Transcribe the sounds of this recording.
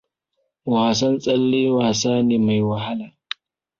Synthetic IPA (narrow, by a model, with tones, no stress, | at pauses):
wa˨sɐ˦nsʼɐ˦lːe˦waː˨saː˦neː˨ma˨jwa˨ɦa˦laː˨